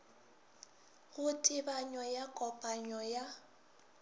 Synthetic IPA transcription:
ɣʊtʼɪbaɲɔjakʼɔpʼaɲɔja

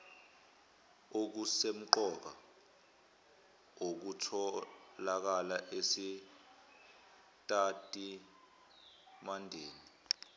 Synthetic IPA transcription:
ok̬usem̩ǃɔk̬a | ok̬utʰɔlak̬alaʔesi | tʼatʼi | mandʱeːni

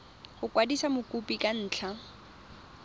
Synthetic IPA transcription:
ɣʊkwadisamʊkʼupʼikʼan̩ːt͡ɬʰa

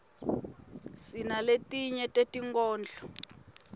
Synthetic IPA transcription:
sinaletʼiɲɛtʼetʼiŋkɔːnd͡ɮʱɔ

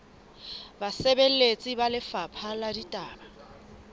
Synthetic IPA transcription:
basɛbel̩et͡sʼibalɪfapʰaladitʼaːba

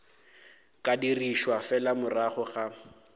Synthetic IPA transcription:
kʼadiriʃwafɛlamʊraχʊχa

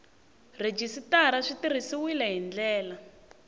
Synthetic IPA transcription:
red͡ʒisitaɾaʂitir̤isiwilɛɦind͡ɮɛːla

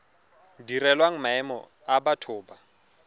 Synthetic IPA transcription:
dirɛlwaŋ̩maɛmɔ̰ | abatʰʊːba

